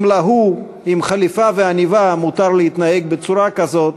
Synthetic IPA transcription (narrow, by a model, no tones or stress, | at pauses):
mlaɦu | imχalifaveanivamut̪aʁleit̪naeɡ̚bet͡suɾakazo̞t̪̚